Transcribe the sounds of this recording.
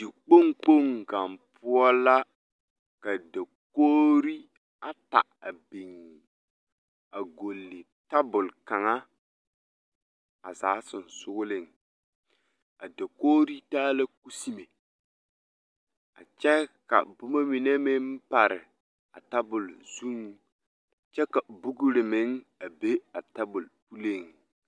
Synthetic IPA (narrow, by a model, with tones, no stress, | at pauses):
dɪ˨k͡po˦ŋk͡po˦ŋɡa˨mpʊ˦ɔ˦la˦ | ka˨da˨ | koː˦ɾi˦ | a˦ta̰˨a˨bi˨ŋ | a˨ɡo˨lːɪ˨ | ta˦bʊ˨lka˨ŋa˦ | a˨zaː˨˦sʊ˨n˨sʊ˦ɣʊ˦lɪ˦˨ŋ | a˨da˨koː˦ɾi˦taː˦la˦ku˦si˦me˨ | a˨t͡ʃɛ˦ka̰˨bʊ˦ma˦mi˨ne˦mɪ˦m˦pa˨ɾɪ̰˨ | a̰˨ta˦bʊ˨lz̥u˦ŋ˨ | t͡ʃɛ˦ka˨bʊ˦ɡʊ˦ɾɪ˨mɪ˦ŋa˨be˦a˨ta˦bʊ˨lpu˦le˦˨ŋ